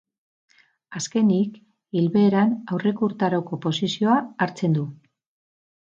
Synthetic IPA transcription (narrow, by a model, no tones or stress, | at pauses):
aske̞nik | ilβe̞ːɾanawre̞kuɾt̪aɾo̞ko̞po̞sisio̞aaɾt͡se̞nd̪u